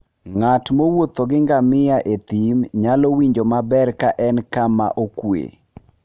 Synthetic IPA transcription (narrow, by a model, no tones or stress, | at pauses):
ŋatmowot̪oɡɪŋɡamɪaʔet̪imɲalowiɲd͡ʒomabɛrkaʔɛnkama̰ʔokwḛ